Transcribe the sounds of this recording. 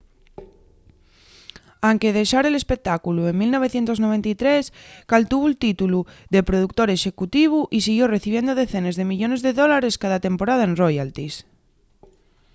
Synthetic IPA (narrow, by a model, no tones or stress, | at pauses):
aŋke̞ð̞e̞ʃaɾe̞le̞spek̚t̪akulue̞ŋmilno̞β̞e̞θje̞nt̪o̞zno̞β̞e̞nt̪ait̪ɾe̞skalt̪uβult̪it̪uluðe̞pɾo̞ðukt̪o̞ɾe̞ʃe̞kut̪iβ̞uʔisiɣjore̞θiβje̞nd̪oð̞e̞θe̞nezðe̞miʎo̞ne̞zðe̞ðo̞laɾe̞skaðat̪e̞mpo̞ɾað̞aenrojalt̪is